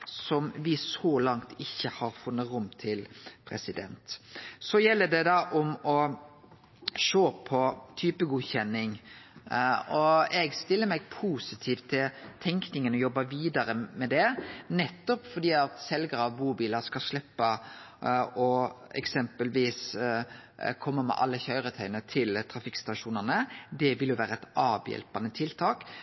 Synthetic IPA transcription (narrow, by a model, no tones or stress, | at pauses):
sɔmʋɪsɔːlɑŋt̪ʰɪçːəhɑɾfʊnːəɾʊmt̪ʰɪlpʰɾɛ̰sɪd̪ɛ̰nt̪sɔjɛlːəd̪ɛd̪ɑʔɔmɔ | ʃoːpʰɔt̪ʰyːpəɡuçɛnːɪŋ | ɔɛɡst̪ɪlːəɾmɛɡ̚pʰuːsɪt̪ʰiːft̪ʰːɪlt̪ʰɛŋknɪŋənɔjɔbːɑʋiːd̪ɑɾəmɛd̪ɛnɛt̪ːɔpfɔd̪iːɑt̪sɛlɡəɾɑʋbuːbiːləskɑʂlɛpːə | ɔɛ̰ksɛmpəlʋiːs | kʰɔmːəmɛ̰ʔɑ̰lːəçœʏɾət̪ʰœʏnət̪ʰɪlt̪ʰɾɑfɪkst̪ɑʂuːnəʁnəd̪ɛʋɪljʊʋæːɾəɛt̪ɑːʋjɛ̰lpɑnət̪ʰɪlt̪ʰɑːk